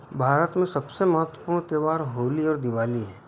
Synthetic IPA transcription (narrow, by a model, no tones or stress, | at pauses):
bʱaːɾət̪mẽsɐbsemɐɦət̪ːwəpuːñt̪eːʋaːɾɦoːliɔːɾd̪ɪʋaːliɦɛ̃ː